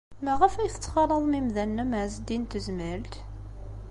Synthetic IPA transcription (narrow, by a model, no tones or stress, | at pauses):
mæʁəfæjθə̥t͡sːχɑlˤəðˤmimðænːæməzd̪int̪əzməlt̪